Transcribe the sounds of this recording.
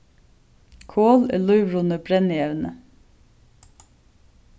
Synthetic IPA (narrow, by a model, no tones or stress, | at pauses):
kʰoːlḛːlœʏʋɹʊnəbɾɛnəjɛʋnə